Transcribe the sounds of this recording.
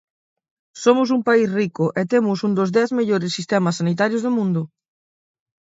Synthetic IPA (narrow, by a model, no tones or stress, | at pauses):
somʊs̬umpaisrikʊʔet̪emʊsund̪ozðɛθmeʎoɾɪsːist̪ɛmɐsːanit̪̬aɾjozðomũnd̪ʊ